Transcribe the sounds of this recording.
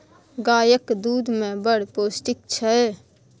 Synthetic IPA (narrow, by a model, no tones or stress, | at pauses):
ɡaːjəkd̪uːd̪mẽbəɽ̤poːsʈɪk̚t͡ʃʰɛ